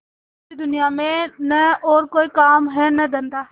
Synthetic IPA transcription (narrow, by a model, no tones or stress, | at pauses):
id̪ʊnɪjaːmẽnəɔːɾkoːiːkaːmɦɛːnəd̪ənd̪aː